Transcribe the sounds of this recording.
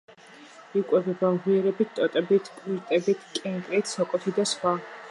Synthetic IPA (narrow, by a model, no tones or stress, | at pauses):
ikʼwɛvɛbamʁiɛɾɛbit̪̚ʰt̪ʼɔt̪ʼɛbit̪ʰpʼiɾt̪ʼɛbit̪ʰkʼɛŋkʼɾit̪ʰsɔkʼɔt̪ʰid̪asχwa